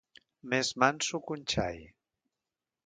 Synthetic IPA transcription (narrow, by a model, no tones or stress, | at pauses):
mezmansukunʲt͡ʃa̰j